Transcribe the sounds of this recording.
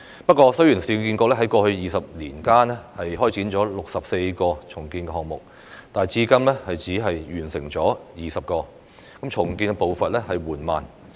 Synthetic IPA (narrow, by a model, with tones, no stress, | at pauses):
pɐ˥t̚kʷɔː˧sɵ˥jyː˨˩nsiː˨˧ki˧nkɔː˧klɛ˥ɦɐ˨˥jkɔː˧hɵ˧ɥjiː˨sɐ˨p̚liː˨˩nkaː˥nɛ˥hɐ˨jɦɔː˥jt͡siː˨˥nt͡ʃɔː˨˥lʊ˨k̚sɐ˨p̚se˧jkɔː˧t͡sʰʊ˨˩ŋkiː˧nkɛ˧hɔː˨ŋ̚mʊ˨k̚ | t̪aː˨jt͡siː˧˥kɐ˥mlɛː˥hɐ˨jt͡siː˨˥ɦɐ˨jjyː˨˩nsɪ˨˩ŋt͡sɔː˨˥jiː˨sɐ˨p̚kɔː˧ | kɐ˨˥mt͡ʃʰʊ˨˩ŋkiː˧nkɛ˧po˨wfɐ˨t̚lɛː˥hɐ˨jwuː˨˩nmaː˨n